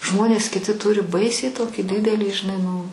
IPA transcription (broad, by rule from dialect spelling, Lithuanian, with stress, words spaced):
ˈʒmoːnʲeːs kʲɪˈtʲɪ ˈtʊrʲɪ ˈbɐɪsʲɛɪ ˈtoːkʲiː ˈdʲɪdʲɛlʲiː ʒʲɪˈnɐɪ nʊ